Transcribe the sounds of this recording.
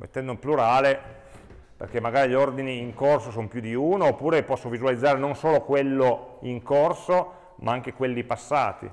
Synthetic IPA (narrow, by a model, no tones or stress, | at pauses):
mʔḛt̪ːɛnd̪oimpluɾaːle | pḛrk̟emːaɡaːɾiʎord̪iniːŋkorsosompjud̪iuːnoːpːuːɾepɔsːovizualid̪zːaːɾenonsoːlokwelːoiŋkorso | mʔaaŋk̟ekwelːipasːaːt̪ḭ